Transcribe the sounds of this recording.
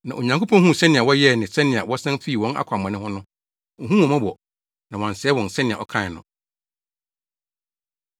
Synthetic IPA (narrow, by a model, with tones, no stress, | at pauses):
nã˨ʔo˨ɲã˨ŋkʰo˦pʰɔ̃˦hũ˦˨sɛ˦nɪ̃˨a˨wɔ˦jɛ˦˨nɪ̃˨sɛ˦nɪ̃˨a˨wɔ˦sɛ̃˦m˦fi˦˨wɔ̃˦na̰˦kʷʰa˨mã˨nɪ̃˦hʊ̃˦nʊ̃˦ | ŋ̩˨ɦũ˦wɔ̃˨mã˦bɔ˨ | nã˨wã˨n̩˨sɛ˨ɛ˦wɔ̃˨n˨sɛ˦nɪ̃˨a˨ɔ˨kʰã˦˨nʊ̰̃˨